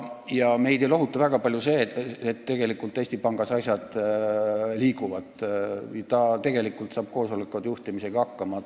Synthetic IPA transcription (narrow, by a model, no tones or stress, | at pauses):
jɑme̞jd̪elo̞ɦut̪ːˑuvæɡ̥ɑpɑlʲjuse̞ːet̪ːe̞ɡ̥e̞likːˑult̪ːˑest̪ipɑŋɡ̥ɑsɑsʲjɑd̪̥ | liːkuvɑd̪jɑt̪ɑt̪e̞ɡ̥e̞likˑult̪sɑːb̥̚ko̞ːsolekːˑud̪juht̪imise̞ɡ̥ɑɑkːɑmɑ